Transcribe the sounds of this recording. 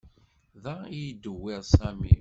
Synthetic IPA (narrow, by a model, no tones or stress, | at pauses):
ðæijd̪əwiʁsæmḭ